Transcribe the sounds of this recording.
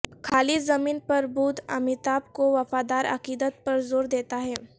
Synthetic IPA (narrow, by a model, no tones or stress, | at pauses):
kʰaːlizɐmiːnpɐɾbuːd̪ɐmɪt̪aːbkoʋɐfaːd̪aːɾɐ̰qiːd̪ət̪̚pɐɾzoːɾd̪eːt̪aɦɛː